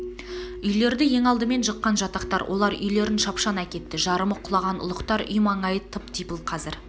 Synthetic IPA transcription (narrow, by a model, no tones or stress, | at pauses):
ʏjle̞ɾd̪ɪje̞ŋɑlˠd̪əme̞nʃəqːɑnʒɑt̪ɑqt̪ɑɾwʔo̞̰lˠɑɾʏ̰jle̞ɾɪnʃɑpʃɑnækʲe̞t̪ːɪʒɑɾəməqʰʊlˠɑʁɑnʊ̰lˠəqt̪ɑɾʔʏ̰jmɑɴɑjət̪ʰəpt̪ʰijpəlˠqʰɑzɪɾ